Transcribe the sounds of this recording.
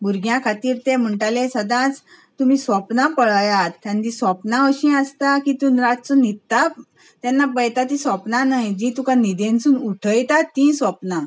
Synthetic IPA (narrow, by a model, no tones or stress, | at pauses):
buɾɡjãkʰat̪iːɾt̪em̤əɳʈalesəd̪ãt͡s | t̪um̤iːsʋəpnapəɭajat̪ːãnd̪isʋəpnaəɕĩəst̪akit̪unɾatt͡sunit̪ːap | t̪janːapəjt̪at̪ĩsʋəpnanajd͡ʑit̪ũkanid̪ẽnsuːnuʈʰəjt̪at̪ːĩsʋəpna